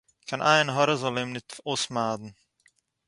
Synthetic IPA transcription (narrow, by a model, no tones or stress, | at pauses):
kʰanʔa̰ɪənɦɔɾəzɔlemnɪtoːsmaːdn̩